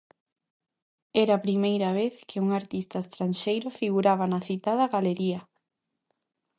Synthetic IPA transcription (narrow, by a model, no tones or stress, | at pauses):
ɛɾaːpɾimejɾaβeθkʰɪuŋaɾt̪ist̪ɐest̪ɾanʃejɾʊfiɣuɾaβanɐθit̪aðɐɣaleɾiɐ